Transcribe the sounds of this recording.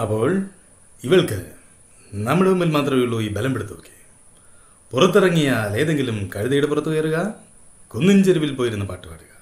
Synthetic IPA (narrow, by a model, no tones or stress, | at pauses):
ɐpːo̞ːɭ | iʋɐɭkɨ | nɐmːiɽeʋumːilmaːt̪rɐʋiɭːoːjibɐlɐmpeɽut̪ːoːkːe̥ | purɐt̪ːirɐŋːijaːle̞ːðeŋɡilumkɐɻiðɐjuɽepurɐt̪ːuʋɐjɐruɣɐ | kunːind͡ʑeɾiʋilpoːjiɾunːɐpaːʈːɨpa̰ːɽuɣɐ